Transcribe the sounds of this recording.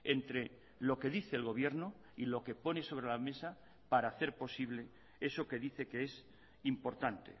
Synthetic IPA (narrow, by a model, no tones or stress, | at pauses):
e̞nt̪ɾe̞ | lo̞ke̞ðiθe̞ːlɣo̞β̞je̞ɾno | ilo̞ke̞po̞ne̞so̞β̞ɾe̞lame̞sa | paɾaːθe̞ɾpo̞siβle̞ | e̞so̞ke̞ðiθe̞ke̞es | impo̞ɾt̪ant̪e̞̰